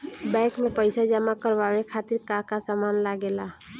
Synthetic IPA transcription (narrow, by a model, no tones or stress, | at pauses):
bɛ̃kmepəɪsad͡ʒəmakəɾbabekʰat̪iɾkakasamanlaɡela